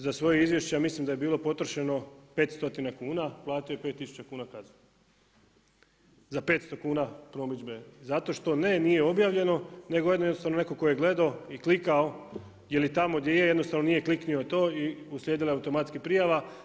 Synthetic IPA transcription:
zasʋo̞jeizʋje̞ʃt͡ɕejamislimd̪aje̞biːlˠo̞po̞t̪ɾoʃeno̞pe̞ːt̪st̪o̞t̪inakuːnaplˠaːt̪ijojepe̞t̪ːisu̥t͡ɕakuːnakaza | zapet̪st̪o̞kuːnapɾo̞mid͡ʑbe̞zat̪o̞ʃt̪o̞ne̞nije̞o̞bjaːʋʎe̞no̞ne̞ɡojed̪nojednost̪aʋnone̞kokojeɡle̞d̪aoiklikao̞ | jelit̪amo̞d̪jejejed̪nost̪aʋno̞nije̞kliknio̞t̪o̞ːiusljed̪ilaeaut̪o̞mat̪skipɾijaʋa

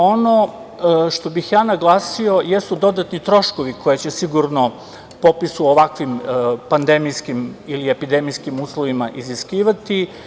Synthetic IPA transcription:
o̞no̞ | ʃt̪o̞bixjaːnaɡlˠaːsio̞jesud̪o̞d̪at̪nit̪ɾo̞ʃkoʋikʰo̞jet͡ɕesiɡuɾno̞ | po̞pisuoʋakʋimpand̪e̞mijskimilie̞pid̪e̞mijskimuːslˠoʋimaʔiziskiːʋat̪i

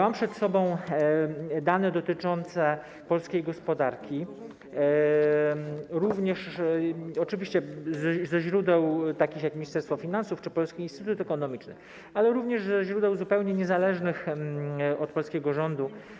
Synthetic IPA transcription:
mampʂɛt̪sɔbɔ̃w̃ | d̪anɛd̪ɔt̪ɘt͡ʂɔnt̪sɛ | pɔlskʲejɡɔspɔd̪aɾkʲi | ɾuvɲɛʂ | ɔt͡ʂɘvʲiɕt͡ɕɛzzɛʑɾud̪ɛwt̪akʲixjakmʲiɲist̪ɛɾst̪fɔfʲinansuft͡ʂɘpɔlskʲiinst̪ɘt̪ut̪ɛkɔnɔmʲit͡ʂnɘ̰ | alɛɾuvɲɛʐzɛʑɾud̪ɛwzupɛwɲɛɲɛzalɛʐnɘx | ɔt̪̚pɔlskʲɛɡɔʐɔnd̪u

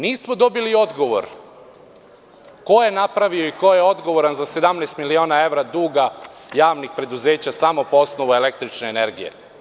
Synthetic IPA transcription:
niːsmod̪o̞bilio̞d̪ɡo̞ʋo̞̰ɾ | ko̞je̞napɾaʋioiko̞jeo̞d̪ɡo̞ʋo̞ɾanzase̞d̪amnest̪milio̞ːnae̞ʋɾad̪uːɡajaːʋnixpɾe̞d̪uzeːt͡ɕasamo̞poosnoʋuele̞k̚t̪ɾit͡ʃneːneɾɡijḛ

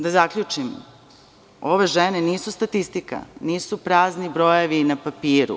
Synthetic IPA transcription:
d̪azakʎʲut͡ʂim | o̞ʋe̞ʒene̞niːsust̪at̪ist̪ika̰niːsupɾaːznibɾo̞jeʋinapapiːɾṵ

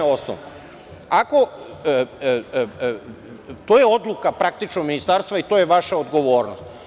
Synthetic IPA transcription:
osno̰no | ako̞ | t̪ojeo̞d̪lˠukapɾak̚t̪it͡ʃnoɡminist̪aɾst̪ʋait̪o̞ːjeʋaʃaod̪ɡo̞ʋo̞ːɾnost̪

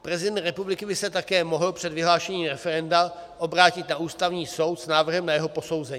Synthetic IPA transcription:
pɾɛzɪdɛnt̪ɾɛpublɪkɪbɪsɛt̪akɛːmoɦl̩pr̥ɛd̪vɪɦlaːʃɛɲiːmɾɛfɛɾɛnda | ʔo̞bɾaːcɪt̪naʔuːst̪avɲiːso̞wt̪snaːvr̩ɦɛmnajɛɦopo̞so̞wzɛɲiː

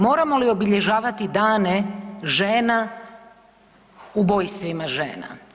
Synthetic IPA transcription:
mo̞ːɾamolio̞biʎe̞ʒaːʋat̪id̪aːneʒeːna | ubojst̪ʋimaʒḛːna̰

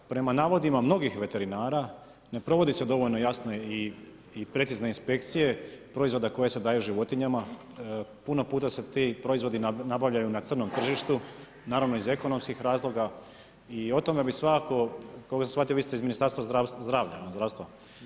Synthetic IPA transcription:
pɾe̞manaːʋo̞d̪imamno̞ɡixʋe̞t̪e̞ɾinaːɾa | ne̞pɾo̞ʋo̞d̪ise̞d̪o̞ʋoʎnojasne̞iː | pɾe̞t̪sizne̞inspe̞kt̪sije̞pɾo̞izvʋo̞d̪ako̞je̞se̞d̪aːjuʒiʋo̞t̪iɲama | punopuːt̪ase̞t̪ipɾo̞izʋo̞d̪inabaʋʎajunat̪sɨr̩no̞mt̪r̩ʒiʃt̪u | naːɾaʋno̞ize̞ko̞no̞mskixɾaːzlˠo̞ɡa | io̞t̪o̞mebisʋakako̞kakːɡasasxʋat̪ioist̪eizminist̪aɾst̪ʋaɾazd̪ɾaːʋʎazd̪ɾaːʋst̪ʋa

